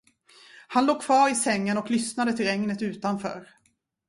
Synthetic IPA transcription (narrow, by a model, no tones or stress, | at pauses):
hanloːɡ̚kʰvɑːɾɪsɛŋːənɔklʏsnad̪ət̪ʰɪlɛŋnət̪ʉ̟ːt̪anfœ̰ːɾ